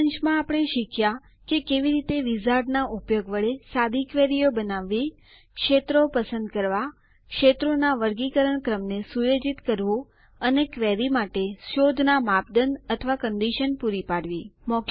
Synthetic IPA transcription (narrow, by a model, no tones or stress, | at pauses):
əɲt͡ʃmãapəɽ̃eʃɪkʰja | kekeʋiɾit̪eʋizaɖnaʔupjoɡʋəɭesad̪ʱikʋeɾijobənaʋːi | kʃet̪ɾopəsə̃nd̪kəɾʋa | kʃet̪ɾonaʋəɾɡikəɾəɳkɾəmnesujod͡ʒit̪kəɾʋũ | ənekʋeɾimaʈeʃod̪ʱnamap̚d̪ənət̪ʰəʋakənɖ̪iʃənpuɾipaɽʋimɔk